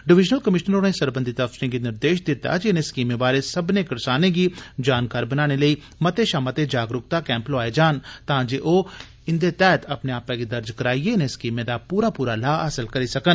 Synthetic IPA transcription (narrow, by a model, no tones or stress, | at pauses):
ɖɪʋɪʒnəlkəmɪʃnəɾoːnẽsəɾbə̃nd̪ʱit̪əfsɾẽɡinɪɾd̪eːʃd̪ɪt̪ːa̰d͡ʒeɪneskiːmẽbaːɾesəbnekəɾsaːnẽɡid͡ʒaːnkaːɾbənaːñeləiː | mət̪eʃaːmat̪ed͡ʒaːɡɾʊk̚t̪akɛ̃ːmploaːed͡ʒaːnt̪ãːd͡ʒeʔoː | ɪnd̪et̪ɛːt̪ʰəpneaːpãɡid̪əɾd͡ʒkəɾaːieɪneskiːmẽd̪aːpuːɾaːpuːɾalaːəsəlkəɾisəkən